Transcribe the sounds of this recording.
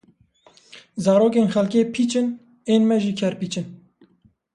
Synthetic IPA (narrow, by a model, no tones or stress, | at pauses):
zɑːɾoːk̬eːnxɛlkeːpʰiːt͡ʃɨn | eːnmɛʒiːkʰɛɾpiːt͡ʃɨn